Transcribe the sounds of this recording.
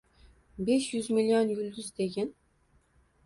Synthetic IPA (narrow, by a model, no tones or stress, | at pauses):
beʃjyzmilʲionjylʲd̪yzd̪eɡʲɛn